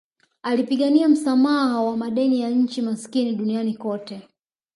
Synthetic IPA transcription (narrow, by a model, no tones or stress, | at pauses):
alipiɠaniam̩samahawamaɗɛnijaɲ̩t͡ʃimaskiniɗunianikɔtɛ